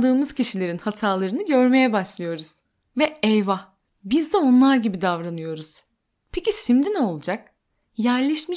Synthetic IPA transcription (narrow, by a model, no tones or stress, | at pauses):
d̪ɯːmɯz̥cʰiʃilʲe̞ɾinhat̪ʰaːlˠaɾɯnɯɟø̞ɾme̞jɛbaʃlˠɯjo̞ɾuz̥ | vɛɛjva | bizd̪ɛo̞nlˠaɾɟibid̪avɾanɯjo̞ɾuz̥ | pʰecisimd̪ino̞lˠud͡ʒak̚ | jæɾlʲɛʃmi